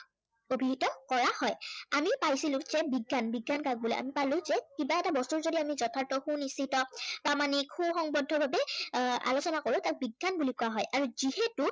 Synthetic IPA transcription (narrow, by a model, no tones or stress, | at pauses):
obʱiɦitɔkɔɹahɔjamipajsilʊ̃z̥ɛbiɡːanbiɡːankaɡ̚bulɔ̰jʔa̰mipalʊ̃zɛkibaɛtabɔstuɹzodiamizɔtʰaɹtɔxũnistːʰitɔpɹamanikxũxɔŋbɔdʱːɔbʱabɛa̰losɔnakoɹʊ̃tak̚biɡːanbulikuaɦɔjʔaɹuzihetu